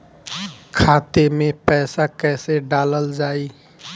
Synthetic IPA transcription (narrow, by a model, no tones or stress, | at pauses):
kʰat̪emepɛɪsakɛseɖaləld͡ʒaːi